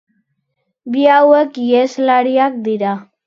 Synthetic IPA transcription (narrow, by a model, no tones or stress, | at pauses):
biawekjeslaɽiak̚d̪iɾa